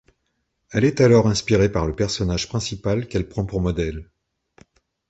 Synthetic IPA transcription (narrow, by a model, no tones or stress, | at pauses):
ɛlɛt̪alɔʁɛ̃spiʁepaʁləpɛʁsɔnaʒ̥pχɛ̃sipalkɛlpχɑ̃puʁmɔd̪ɛl